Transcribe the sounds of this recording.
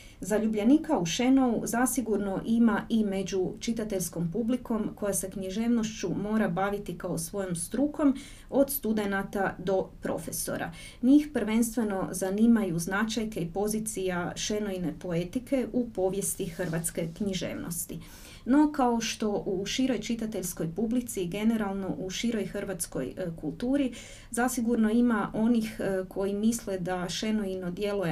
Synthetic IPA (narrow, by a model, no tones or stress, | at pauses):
zaʎubʎeniːkauʃe̞no̞uzasiɡuɾno̞ʔimaʔime̞d͡ʑut͡ʃit̪at̪e̞ʎsko̞mpublikʰo̞mko̞jase̞kɲiʒe̞ːʋno̞ʃt͡ɕumo̞ːɾabaʋit̪ikaosʋo̞jo̞mst̪ɾuko̞m | o̞d̪st̪ud̪e̞nat̪ad̪o̞pɾo̞̰fe̞so̞̰ɾʔa̰ | ɲiːxpɾʋe̞nst̪ʋe̞no̞zaniːmajuznat͡ʃajke̞ipo̞zit̪sijaʃe̞noine̞po̞e̞t̪ikʰe̞ʔupo̞ʋje̞st̪ixrʋat̪ske̞kɲiʒe̞̰ʋno̞̰st̪i | no̞kao̞ʃt̪o̞ʔuʃiɾo̞jt͡ʃit̪at̪e̞ʎsko̞jpublit̪siɡe̞ne̞ɾalˠno̞ʔuʃiɾo̞jxrʋat̪sko̞̰jkulˠt̪uːɾi | zasiɡuɾno̞imaʔo̞nixkʰo̞jimisle̞d̪aʃe̞no̞inod̪je̞luje